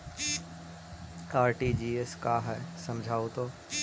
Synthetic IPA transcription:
aːɾʈid͡ʒiːeskaːɦɛːsɐ̃md͡ʒʱaːot̪oː

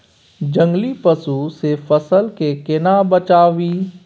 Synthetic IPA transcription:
d͡ʒə̃ŋɡlipəsusefəsəlkekɪnabət͡ʃaːʋiː

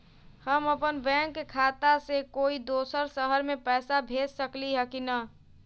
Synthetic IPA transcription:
həməpənbɛ̃ːŋkːekʰaːt̪asekoːid̪oːsəɾsəɦəɾmẽpɛːsabʱeːd͡ʒsəkliɦɛkinə

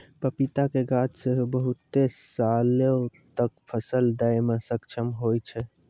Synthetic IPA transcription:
pəpit̪akeɡat͡ʃseɦubəɦut̪ːesalet̪əkpʰəsəld̪əjmesəkt͡ʃʰəmɦojt͡ʃʰɛ

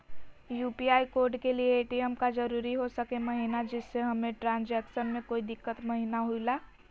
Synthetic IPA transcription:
juːpiaːikoːɾɖkelieːʈiɛmkad͡ʒɐɾuːɾiɦosəkemɐɦinad͡ʒɪsːeɦɐmẽʈɾãːnd͡ʒɛːkʃənmẽkoːid̪ɪkːət̪mɐɦinaɦuilaː

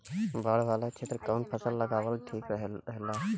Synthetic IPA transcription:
baɽʋaːlat͡ʃʰeːt̪ɾəkəːnpʰəsəlːəɡaːʋəlʈʰiːkɾəɦəɦelaː

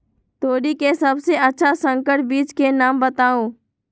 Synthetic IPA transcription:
t̪oːɽikesɐbseʔətːʃʰasə̃ŋkəʈbiːt͡ʃkenaːmbət̪aːõː

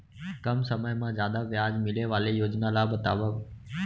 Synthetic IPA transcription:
kəmsəməjmãːzjaːd̪aʋjaːd͡ʒmɪleːʋaːlejoːd͡ʒnaːlabət̪a̰ːʋa

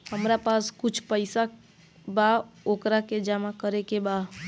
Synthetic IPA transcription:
həmɾapaskʊt͡ʃʰpəɪsa | baoːkɾaked͡ʒamakəɾekeba

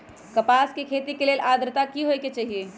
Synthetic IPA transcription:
kəpaskekʰet̪ikelelʔaːd̪ɾt̪akiɦojket͡ʃaːɦie

